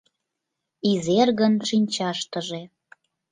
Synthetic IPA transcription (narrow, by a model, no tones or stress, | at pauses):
izerɣənʃinʲt͡ɕɑʃt̪əʒe